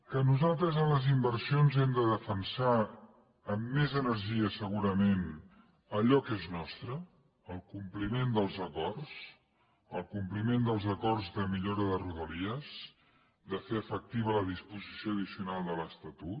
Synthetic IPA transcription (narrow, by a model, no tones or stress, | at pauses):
kənuzalˠt̪ɾəzənləzimbəɾsionzɛmd̪əðəfənsa | əmːezənəɾʒiəsəɣuɾəmen | əʎɔkeznɔst̪ɾə | əlˠkumplimend̪əlˠzəkɔrs | əlˠkumplimend̪əlˠzəkɔrzðəmiʎoɾəðəruðəliəz | d̪əfeəfək̚t̪iβələðispuzisioəðisiunalˠd̪ələst̪ət̪ut̪